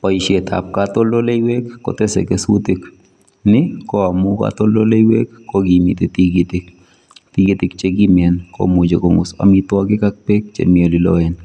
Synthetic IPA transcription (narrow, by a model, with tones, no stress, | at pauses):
pɔ˨i˨ʃjet̪ʰa̰˨p̚kat̪o˦lo˦le˦i˦we˦kːɔ̰t̪e˦sḛ˨keswu˦t̪i˦k | nɪkɔa˨muka̰t̪o˦lo˦le˦i˦we˦kːo˦ɡi˨mit̪i˦t̪iɡit̪ɪk | t̪i˦ɡi˦t̪ɪ˦kt͡ʃe˦ɡimɛ˨nko̰mu˨d͡ʒe˨koŋṵ˨sa̰mit̪wɔɡɪ˦ka˦k̚pe˦k̚t͡ʃḛ˨mi˨o˨lɪ˨lɔ̰ɛ˨n